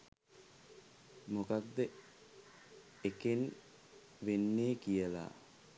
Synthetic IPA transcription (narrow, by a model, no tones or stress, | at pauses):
mokat̪ːə | eken | ʋenːeːkijəla̰ː